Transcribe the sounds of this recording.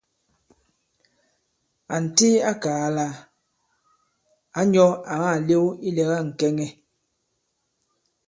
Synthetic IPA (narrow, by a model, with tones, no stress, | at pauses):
a˨n̩˨ti˦a˦kaː˨˦la˦ | a˨˦ɲɔ˦a˨ma˦˨le˦i˦lɛ˨ɣa˦˨ŋ̩˨kɛ˦ŋɛ˦